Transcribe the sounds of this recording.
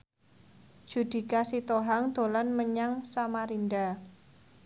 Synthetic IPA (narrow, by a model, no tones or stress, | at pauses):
d͡ʒ̥ud̪̥i̤kasit̪oɦaŋd̪̥o̤lanməɲaŋsamaɾinɖa